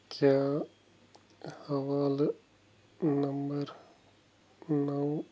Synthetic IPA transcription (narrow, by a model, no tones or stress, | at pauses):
kjaː | hɐʋaːl | nɐmbəɾ | nɐw